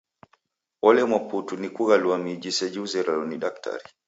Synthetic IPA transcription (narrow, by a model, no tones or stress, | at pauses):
ɔlɛmwaputunikuɣaluamid͡ʒisɛd͡ʒuuzɛɾalɔniɗak̚tʰa̰ɾi